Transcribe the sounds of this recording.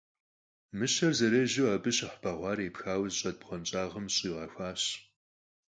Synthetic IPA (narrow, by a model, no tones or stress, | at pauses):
mɨɕɐrzɐɾɐʒuwɐbɨɕɪħbʰɐʁʷɑːɾeːpxaːwzɕʼɐd̚pʁɐnt͡ʃʼaːʁəmɕʼiːʁɐxʷaːɕ